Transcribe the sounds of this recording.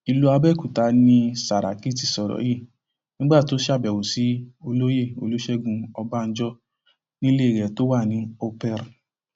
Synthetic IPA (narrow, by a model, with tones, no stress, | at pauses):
i˧lu˦a˧bɛ˦˨ku˨ta˧˦nĩ˦sa˨ɾa̰˨ki˦˨ti˧˨sɔ˨ɾɔ̰˨˦je˦˨ | nĩ˦ɡ͡ba˦˨to˨˦ʃa˦˨bɛ˨wo˨si˨˦o˧lo˦je˦˨o̰˧lo˦ʃɛ˦ɡũ˧ɔ˧ba˦˧n̩˦d͡ʒɔ˦ | nĩ˦le˦˨ɾɛ˨to˦wa˦˨nĩ˨˦o˧pɛ˧ɾ